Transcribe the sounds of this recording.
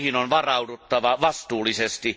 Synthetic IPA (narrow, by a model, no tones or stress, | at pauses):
hinonʋɑrɑudut̪ːɑʋɑʋɑst̪uːlːˑisest̪i